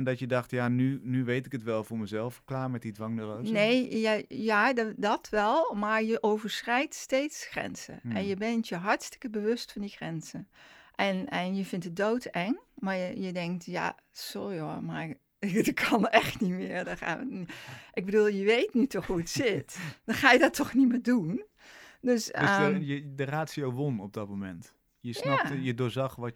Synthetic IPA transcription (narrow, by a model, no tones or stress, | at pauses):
ndɑtjədɑχtjaːnynyʋejtɪkətʋɛlˠvʊːɹməzɛlˠfklaːɹmɛt̚didʋɑŋnəlonejjajaːdɑtʋɛlˠmaɹjəʔowvəɹsrɛjtstejtsxrɛ̰nz̥ə̰ʔɛ̰njəbɛntjəɦɑɹtstə̥kəbəʋɵstfɑndixrɛnz̥əʔɛnɛnjəvɪntədowtɛŋmajəjədɛŋk̚tja̰ | sojomaɹ | kʰɑnɛxtnimɪːəɹdɔnxa̰ːʋəʔɪɡbədulˠjəʋejtnitɔxɦuətsɪtd̥ɔnχaːjədtʰːɔχnimɪːdun | døssjədəraːtsiowʋɔnɔb̚dɔt̚momɛnt | jəsjnaajədʊːzɑχʋɔ